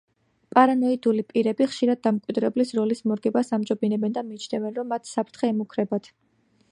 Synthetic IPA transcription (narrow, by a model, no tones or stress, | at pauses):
pʼaɾanɔid̪ulipʼiɾɛbiχʃiɾad̪̚ːamkʼwid̪ɾɛblisɾɔlismɔɾɡɛbasamd͡ʒɔbinɛbɛnd̪amiːt͡ʃʰnɛvɛnɾɔmːat̪ʰsapʰɾt̪ʰχɛːmukʰɾɛbat̪ʰ